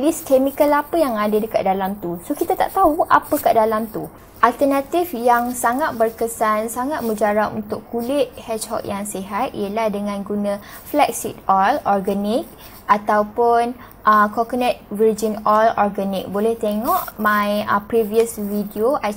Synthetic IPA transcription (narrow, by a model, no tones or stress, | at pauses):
liskemikəlapəjaŋadadəka̰ʔ̚dalamt̪usokit̪at̪a̰ʔt̪auʔa̰pəkaʔdalamt̪u | ʔalt̪ənat̪ifjaŋsaŋat̪̚bərkəsansaŋat̪̚məd͡ʒaɾapunt̪ʊkːulɪt̪̚hɛt͡ʃhɔ̰k̚jaŋsiɦat̪̚ḭəlahdəŋãnɡunə̃ | flɛk̚sit̪̚ɔlɔrɡanik̚ | ʔat̪awpʊn | ʔəkɔkənɛt̪̚vird͡ʒinɔlɔrɡanik̚bolɛht̪eŋɔʔmãjəpɾiviəsvidioʔa